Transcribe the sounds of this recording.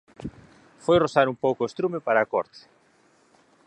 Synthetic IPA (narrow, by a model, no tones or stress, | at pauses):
fojrosaɾumpowkoest̪ɾumepaɾaːkɔ̰ɾt̪ɪ̥